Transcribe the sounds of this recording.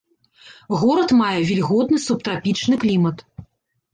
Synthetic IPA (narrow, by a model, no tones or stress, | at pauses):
ɣɔɾɐt̪majɛvʲilʲɣɔd̪nɨsup̚t̪ɾapʲit͡ʂnɨklʲimɐt̪